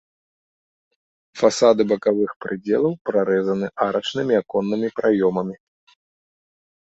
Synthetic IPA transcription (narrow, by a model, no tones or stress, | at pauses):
fasad̪ɨbɐkavɨxpɾɨd͡zʲɛ̰lˠɐwpɾaɾɛzɐnɨʔaɾʔɐt͡ʂnɨmʲiakɔnːɨmʲipɾʔajɔmɐmʲi